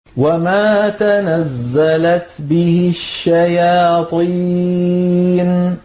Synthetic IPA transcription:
wamaːt̪anazːalat̪bɪhɪʃːajaːt̪ˤi | n

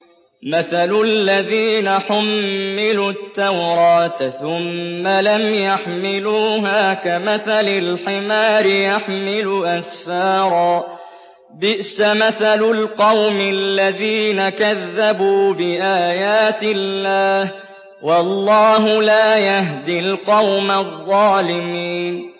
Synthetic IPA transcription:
maθallːaðiːnaħʊmːɪlut̪ːawɾˤɑːt̪θʊmːalamjaħmɪluːɦaːkamaθalɪlħɪmaːɾɪjaħmɪlʊʔasfɑːɾˤɑː | bɪʔsamaθalʊlqɑwmɪlːaðiːnakaðːabuːbɪʔaːjaːt̪ɪlːaːh | wɑlˤːɑːɦʊlaːjaɦd̪ilqɑwmaðˤːɑːlɪmiːn

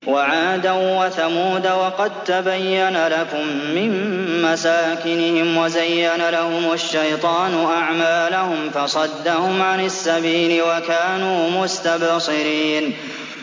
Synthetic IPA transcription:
waʕaːd̪awwaθamuːd̪awɑqɑd̪̚t̪abajːanalakʊmːɪmːasaːkɪnɪhɪmwazajːanalahʊmaʃːajt̪ˤɑːnʊʔaʕmaːlʊhʊmfɑsˤɑd̪ːahʊmʕanasːabiːlɪwakaːnuːmʊst̪absˤɨɾiːn

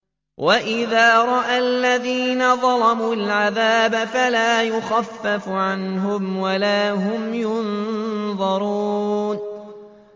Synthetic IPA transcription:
wʔaʔɪðaːɾˤɑʔaːlːaðiːnaðˤɑlɑmuːlʕaðaːbafalaːjʊxafːafʕanɦʊmwalaːɦʊmjʊnðˤɑɾˤun

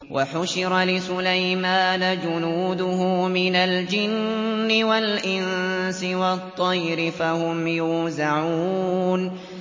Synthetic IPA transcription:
wʔaħʊʃɪɾalɪsʊlajmaːnad͡ʒʊnuːd̪ʊɦʊmɪnald͡ʒɪnːɪwalʔɪnsɪwɑt̪ˤːɑjɾɪfahʊmjʊːzaʕuuːn

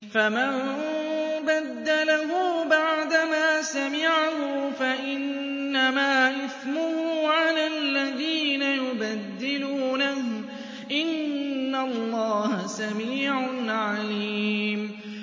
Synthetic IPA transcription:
famam | bad̪ːalaɦʊbaʕd̪amaːsamɪʕaɦʊfaʔɪnː | amaːʔɪθmʊhʊʕalalːaðiːnajʊbad̪ːɪluːnahʊ | ʔɪnːalˤːɑːhasamiːʕaʊnʕaliːm

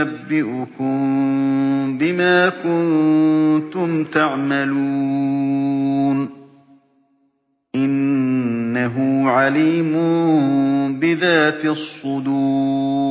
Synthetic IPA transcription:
abːɪʔʊkʊm | bɪmaːkʊn | t̪ʊmt̪aʕmaluː | n | ʔɪnː | aɦʊʕaliːmʊ | bɪðaːt̪sˤːʊd̪uː

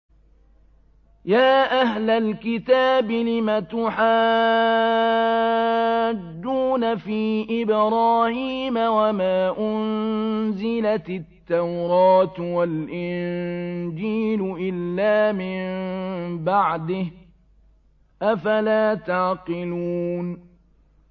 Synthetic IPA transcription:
jaːʔaɦlalkɪt̪aːbɪlɪmat̪ʊħaː | d̪ːuːnafiːʔɪbɾˤɑːhiːmawamaːʔʊnzɪlat̪ɪt̪ːawɾɑːt̪walʔɪnnd͡ʒiːlʊʔɪlːaːmɪmbaʕd̪ɪh | ʔafalaːt̪aʕqɪluːn

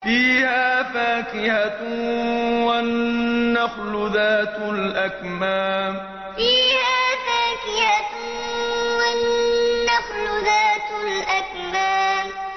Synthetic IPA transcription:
fiːhaaːfaːkɪha | waː | axlʊðaːt̪ʊlʔak | maːm | fiːhaːfaːkɪha | wanːaxlʊðaːt̪ʊlʔak | maːm

